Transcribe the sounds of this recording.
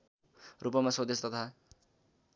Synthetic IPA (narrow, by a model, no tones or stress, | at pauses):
rupʌmasod̪est̪ʌt̪ʰa